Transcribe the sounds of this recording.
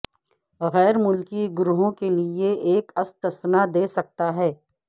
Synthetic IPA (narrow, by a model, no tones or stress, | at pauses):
ɣɛːɾmʊlkiɡʊɾuɦõkelieʔeːkɐst̪ɐsnad̪eːsɐk̚t̪aɦɛː